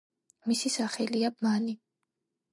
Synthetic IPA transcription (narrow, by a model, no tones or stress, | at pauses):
misisaχɛliabmani